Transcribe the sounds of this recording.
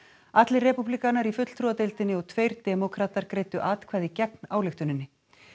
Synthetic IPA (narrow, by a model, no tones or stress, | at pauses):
at̪lɪrɛpuplikanːaɾifʏt̪l̥t̪ʰɾuat̪ejlt̪ɪnːɪɔɣt̪ʰveːjɾt̪ɛmɔkʰɾaːt̪aɾkɾeːjt̪ʏʔaːt̪kʰvaːjðɪcɛk̚naːwlɪxt̪ʏnɪnːɪ